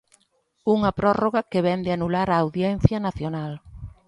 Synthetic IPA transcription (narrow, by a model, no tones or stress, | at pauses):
uŋɐpɾɔroɣɐkeβɛnd̪ɪanulaɾaːwðjɛn̟θjɐnaθjonal